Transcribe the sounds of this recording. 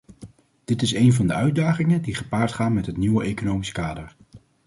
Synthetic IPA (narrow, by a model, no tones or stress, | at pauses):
d̥ɪtɪsejnvɑndəœɥ̚daːχɪŋədiχəpaːɹtχaːnmɛtɦətniwəʔejkonowmiskaːdəɹ